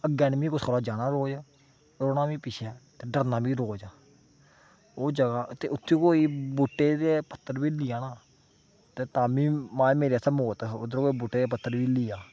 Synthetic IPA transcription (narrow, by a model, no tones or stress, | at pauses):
əɡɛːnmiːkosoɾaːd͡ʒaːnaːɾoːd͡ʒaː | ɾoːnaːʋiːpɪʃʰɛːt̪eːɖəɾnãːbiːɾoːd͡ʒaː | oːd͡ʒəɡaːt̪ḛːʊt̪ʰːẽːkoːiːbuʈːeːd̪eːpət̪ʰːəɾʋiːlɪjaːnaː | t̪eːt̪ãːmĩːmãːmeːɾeəsaːmoːt̪ʊd̪ɾkoːiːbuːʈːeːd̪eːpət̪ːəɾʋiːlijaː